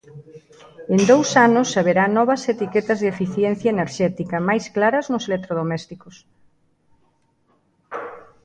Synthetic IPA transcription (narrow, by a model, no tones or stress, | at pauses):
end̪owsanʊsaβeɾanɔβɐset̪ikɛt̪ɐzðefiθjɛn̟θjɐeneɾʃɛt̪ikɐmajsklaɾɐznʊselek̚t̪ɾoðomɛst̪ikos